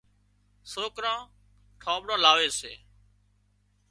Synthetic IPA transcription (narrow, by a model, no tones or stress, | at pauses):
soːkɾãː | ʈʰãːbɽãːlaːʋeːsḛː